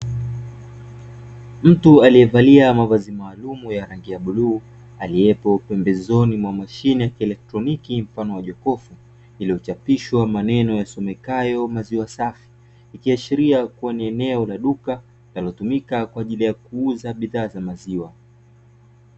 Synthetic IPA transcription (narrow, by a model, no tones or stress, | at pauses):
m̩tualijɛvaliamavazimaːlumujaɾaŋɡiaɓuluː | aliɛpɔupɛmbɛzɔnimwamaʃinijakiɛlɛk̚tɾɔnikim̩fanɔwaʄɔkɔfu | iliɔt͡ʃapiʃwamanɛnɔjasɔmɛkajɔmaziwasafi̥ː | kiaʃiɾiakuwaniɛnɛɔlaɗuka | lalɔtumikakwaːʄilijakuuzaɓiðaːzamaziwa